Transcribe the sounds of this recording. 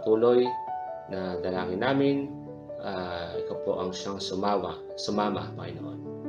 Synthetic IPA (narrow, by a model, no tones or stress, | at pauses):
t̪uːlo̞jnɐd̪ɐlaːŋɪnːaːmɪn | ʔaɪkawpo̰ʔɐŋʃaŋsʊmawa | sʊmaːma̰pɐ̰ŋɪ̰no̰ʔo̰n